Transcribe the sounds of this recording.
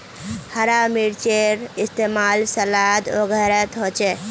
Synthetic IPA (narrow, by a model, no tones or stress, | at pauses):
həɾamiɾt͡ʃeɾist̪emalsəlad̪o̰ɡʱəɾət̪ɦot͡ʃʰɛ